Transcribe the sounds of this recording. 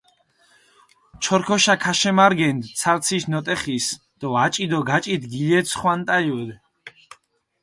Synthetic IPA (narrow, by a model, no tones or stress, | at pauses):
t͡ʃʰɔɾkʰɔʃakʰaʃɛmaɾɡɛnd̪sʰaɾt̪sʰiʃnɔt̪ʼɛχis | d̪̥ɔat͡ʃʼid̪ɔɡat͡ʃʼit̪ɡilɛsʰχwant̪ʼajud̪ɛ